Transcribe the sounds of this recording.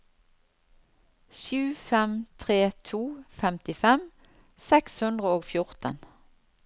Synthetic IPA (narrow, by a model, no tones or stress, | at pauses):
ʃʉːfɛmt̪ʰʁeːt̪ʰuːfɛmt̪ɪfɛm | sɛkshʉnd̪ʁəoːɡfjʊʁt̪ə̰n